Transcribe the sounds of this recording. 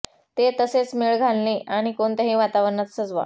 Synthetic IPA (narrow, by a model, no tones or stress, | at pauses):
t̪et̪əset͡smiɭɡʱalniːʔaɽ̃ikont̪əɦĩːʋat̪aʋəɾnat̪səd͡zʋa̰